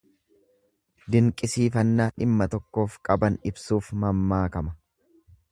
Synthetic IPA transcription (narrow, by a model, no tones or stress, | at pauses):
d̪ɪŋkʼɪsiːfɐnːaːᶑɪmːɐt̪ɔkːo̞ːfkʼɐbɐnɪbsuːfmɐmːaːkɐmɐ